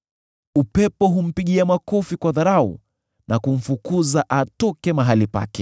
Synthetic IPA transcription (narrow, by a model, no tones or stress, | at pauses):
upɛpɔɦum̩piɠiamakɔfikwaðaɾaṵ | nakum̩fukuzaʔatɔkɛmaɦalipa̰kɛ